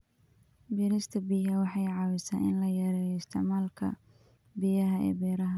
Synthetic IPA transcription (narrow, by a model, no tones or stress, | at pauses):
biːɾɪst̪ʰɐbiːɦɐwɑħɑjʕɑwɪsaːnɪnlɐjɐɾɛjɔɪst̪ʰɪʕmaːlkʰɐ̰ | bijɐɦɐʔɛ̰ːbɛːɾɐɦɐ